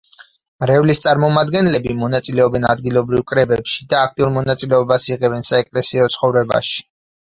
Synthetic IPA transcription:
mɾɛvlist̪sʼaɾmɔmad̪ɡɛnlɛbimɔnat̪sʼilɛɔbɛnad̪ɡilˠɔbɾivkʼɾɛbɛpʃid̪aːkʰt̪ʼiuɾmɔnat̪sʼilɛɔbasiʁɛbɛnsaɛkʼlɛsiɔt̪sʰχɔvɾɛba̰ʃi̥

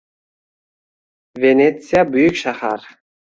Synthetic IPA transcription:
vʲenʲet̪sijabʏjykʲʃaχa̰ɾ

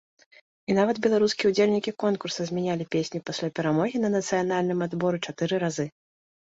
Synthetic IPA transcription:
inavɐd̪bʲɛlˠaɾuskʲiɛud͡zʲelʲnʲikʲikɔnkursɐzʲmʲɛnʲalʲipʲesʲnʲipasʲlʲapʲɛɾamɔɣʲinɐnɐt̪sɨjanalʲnɨmad̪bɔɾɨt͡ʂat̪ɨɾɨɾazɨ

